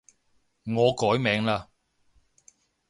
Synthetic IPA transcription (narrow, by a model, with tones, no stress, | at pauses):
ŋɔː˨˧kɔː˨˥jmɛː˨˧ŋlaː˧